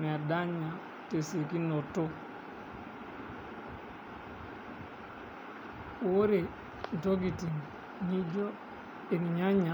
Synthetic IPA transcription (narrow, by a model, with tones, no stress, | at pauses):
n˨a˨da˦ɲa˨ | te˨se˨ki˦no˨to˦ | wo˦ɾe˨ | n̩˨to˦ɡi˨ti˨ŋ | ɲi˦d͡ʒo˦ | e˨kɲa˦ɲa˨